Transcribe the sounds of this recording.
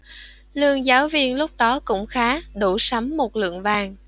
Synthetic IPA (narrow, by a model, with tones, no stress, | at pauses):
lɨ˧˨əŋzaː˨˦wvi˧ənlʊ˦˥k͡p̚ɗɔ˨˦kʊ̰˧˥ŋ͡mxaː˨˦ɗu˧˩sa˨˦mːo˨˩t̚lɨ̰˧˨əŋvaː˨˩ŋ